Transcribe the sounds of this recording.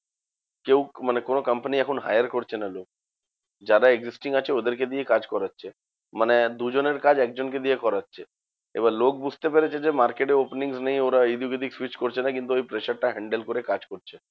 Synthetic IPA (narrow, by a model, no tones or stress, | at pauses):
kewmanekonokɐmpəniɛkʰonɦa̰jaɾkoɾt͡ɕʰenalok̚ | d͡ʑaɾaeɡzisʈiŋat͡ɕʰeod̪eɾked̪ijekad͡ʑkɔɾatːʃʰe | maned̪ud͡ʑoneɾkad͡ʑɛk̚d͡ʑonked̪ijekɔɾatːʃʰe | ḛbaɾlok̚bud͡ʑʱt̪epeɾet͡ɕʰed͡ʑemaɾkeʈeopniŋsnej̃oɾaid̪iuked̪ikswit͡ɕkoɾt͡ɕʰenakint̪uojpɾeʃaɾʈaɦɛɳɖelkoɾekad͡ʑkoɾt͡ɕʰe